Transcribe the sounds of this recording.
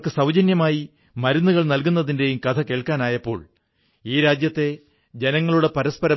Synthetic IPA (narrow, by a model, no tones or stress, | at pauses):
kːɨsɐwd͡ʑɐnjɐmaːji | mɐɾunːuɣɐɭnɐlkunːɐðinde̞jumkɐt̪ʰɐke̞ːɭkaːnaːjɐpːo̞ːɭ | iːɾaːd͡ʑjɐt̪ːe̞ | d͡ʑe̞nɐŋːɐɭuɽe̞pɐɾɐspɐɾɐ